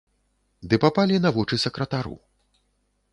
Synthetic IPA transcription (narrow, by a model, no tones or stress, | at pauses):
d̪ɨpapalʲinɐvɔt͡ʂɨsɐkɾɐt̪aɾṵ